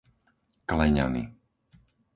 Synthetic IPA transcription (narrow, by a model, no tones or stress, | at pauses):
klɛɲa̰nḭ